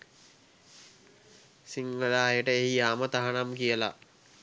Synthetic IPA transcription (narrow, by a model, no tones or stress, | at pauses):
siŋɡəlaːɦjəʈəeɦijaːmət̪aɦanamkijəla̰